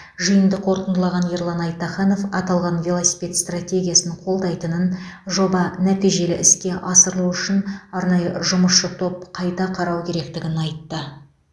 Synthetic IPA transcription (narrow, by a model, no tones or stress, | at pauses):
ʒijənd̪əqʰo̞ɾt̪ənd̪əlˠɑʁɑnjeɾlˠɑnɑjt̪ːɑχɑno̞fɑt̪ɑlˠʁɑnvʲe̞lˠosʲi̥pʲe̞t̪st̪ratʲe̞ɡʲijasnəɴqʰo̞lˠd̪ɑjt̪ənənʒo̞bɑnæt̪ijʒe̞lɪʔɪskʲe̞ʔɑsəɾlˠuwʏʃɪnɑɾnɑjəʒʊməsʃət̪ʰo̞p̚qʰɑjt̪ɑqʰɑɾɑwkʲʰe̞ɾe̞kt̪ɪɡʲɪnɑjt̪ːə